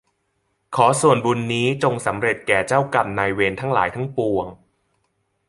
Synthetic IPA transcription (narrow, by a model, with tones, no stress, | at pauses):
kʰɔː˩˦su˨˩ənbu˧nːiː˦˥t͡ɕo˧ŋsa˩˦mɾe˨˩t̪̚kɛː˨˩t͡ɕaː˥˩wka˨˧mnaː˧jweː˧nt̪ʰa˦˥ŋla̰ː˩˦jt̪ʰa˦˥ŋpu˨˩əŋ